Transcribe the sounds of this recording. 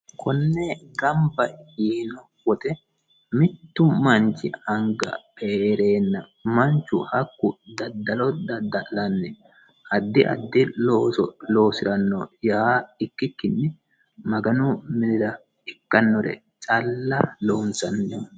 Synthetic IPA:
kʰɔnːɛɡɐmbɐiːnɔ | wɔt̪ʼɛ | mɪt̪ːʊmɐnt͡ʃːɪ̰ɐŋɡɐ̰pʼeːɾe̞ːnːɐmɐnt͡ʃːʊhɐkːʊd̪ɐd̪ːɐlɔd̪ɐd̪ɐlɐnːɛ | ʔɐd̪ːɪʔɐ̰d̪ːɪloːsɔlo̞ːsɪɾɐnːɔjaːɪkːɪkːɪnːɛ | mɐɡɐnʊmɪd̪ɪɾɐ | ɪkːɐnːɔɾɛ̰ | t͡ʃʼɐlːɐloːnsɐnːɔ

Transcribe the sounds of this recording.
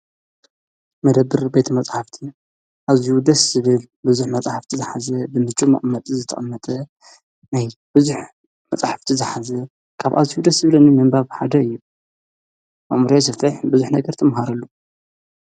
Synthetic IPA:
mɐd̪ɐbːɨɾbe̞t̪ʰɐmɐt͡sʼħaft̪ʰi | ʔaziwud̪ɐsz̥ɨβɨl | bɨzuħmɐt͡sʼaħaft̪ʰizɨħazɐbɨmɨt͡ʃʼːumɐ̰ʔʼmːɐt̪ʼizɨt̪ʰɐ̰χʼɐmːɐt̪ʼɐ | najb̥ɨzuħ | mɐt͡sʼaħaft̪ʰizɨħazɐ | kʰaβʔa̰ziud̪ɐszɨβlɨnɨmɨmbaβħad̪ɐɨjːu | mɐʔmɾesɨfɨħbɨzuħnɐɡɐɾt̪ʰɐmɦaɾɐlːu

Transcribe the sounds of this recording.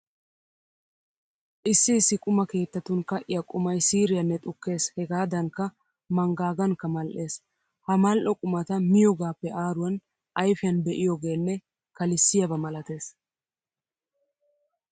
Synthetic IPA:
ʔɪsːɪːsːɪkʼʊmɐke̞ːt̪ːɐt̪ːʊnkɐʔɪjɐkʼʊmɐjsiːɾɪjɐnːɛt̪ʼʊkːe̞ːshɛɡaːd̪ɐŋkɐ | mɐŋɡaːɡɐnkːɐmɐlʔe̞ːs | hɐmɐlʔɔkʼʊmɐt̪ɐmɪjɔɡaːpːɛʔaːɾʊwɐn | ʔɐjfɪjɐnbɛʔɪjɔɡe̞ːnːɛ | kɐlɪsːɪjɐbɐmɐlɐt̪e̞ːs

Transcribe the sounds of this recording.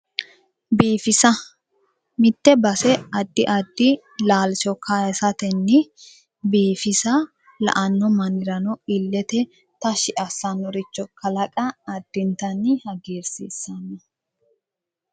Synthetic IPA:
biːfɪsɐ | mɪt̪ːɛbɐsɛɐd̪ːɪʔɐd̪ːɪ | laːlt͡ʃɔkʰajɛsɐt̪ɛnːɪ | biːfɪsɐ | lɐ̰ʔɐnːɔmɐnɪɾɐnɔɪlːɛt̪ɛ | t̪ɐʃɪʔɐsːɐnːɔɾɪt͡ʃːɔkɐlɐkʼɐːd̪̥ːɪnt̪ɐnɪhɐɡiːɾsḭːsːɐnːɐ

